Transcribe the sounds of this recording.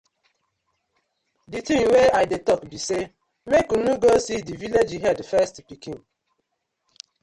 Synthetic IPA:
ditĩŋweaɪdetɔkbise | mekunuɡosidiviled͡ʒiɦɛdfɛstpikĩn

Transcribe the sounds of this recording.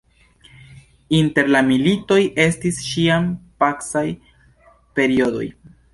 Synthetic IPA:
inte̞ɾlamilito̞jʔe̞stisʃiampaksaj | pe̞ɾio̞do̞̰j

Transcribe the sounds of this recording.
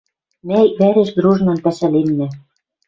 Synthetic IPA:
mæjβæɾĕʃd̪ɾuʒnɑ̆npæʃælenːæ̆

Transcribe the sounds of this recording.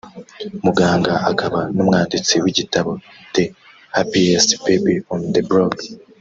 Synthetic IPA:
muɡaːŋɡaʔakaβanumŋaːndit͡siwiɟitaβo̞ | te | hapiespebiõnd̪ebɾod

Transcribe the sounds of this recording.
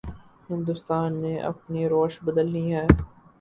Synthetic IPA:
ɦɪ̃nd̪ʊst̪aːnːeʔɐ̰pniɾoːʃbɐd̪əlːiɦɛː

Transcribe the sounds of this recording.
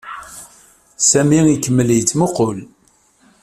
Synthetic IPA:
sæmiikːəmːəljət͡sːmoqol

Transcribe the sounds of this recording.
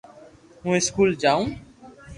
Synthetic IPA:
ɦũeskuld͡ʑaw̃

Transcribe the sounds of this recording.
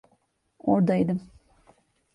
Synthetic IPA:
oɾd̪ajd̪ɯm

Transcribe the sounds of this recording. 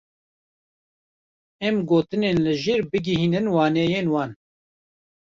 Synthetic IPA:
ɛmɡoːt̪ɨneːnlɨʒeːɾbɨɡiɦiːnɨnwɑːnɛːjeːnwɑːn

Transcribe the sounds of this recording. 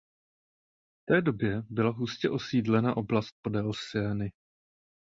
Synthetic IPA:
ft̪ɛːdo̞bjɛbɪlaɦuscɛʔo̞siːdlɛnaʔo̞blast̪̚po̞dɛlsɛːnɪ

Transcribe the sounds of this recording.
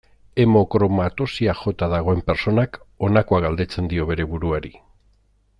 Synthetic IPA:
e̞mo̞kɾo̞mat̪o̞siaxo̞t̪aðaɣ̞o̞e̞mpe̞ɾso̞nako̞nako̞aɣald̪e̞t͡se̞nd̪io̞βe̞ɾe̞βuɾuaɾi

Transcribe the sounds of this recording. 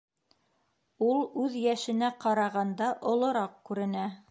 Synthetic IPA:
ulˠʉðjæʃɘ̆næqɑɾɑʁɑnd̪ɑʔŏlˠɤ̆ɾɑq̚kʉɾɘ̆næ

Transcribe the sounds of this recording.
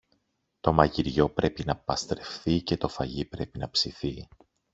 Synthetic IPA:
t̪o̞mɐʝiɾʝo̞pɾe̞pinɐpɐst̪ɾe̞fθice̞t̪o̞fɐʝipɾe̞pinɐpsiθi

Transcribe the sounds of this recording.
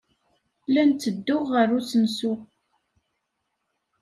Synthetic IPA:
lænt͡s̪ːəd̪ːʊʁːərut͡sːənsu

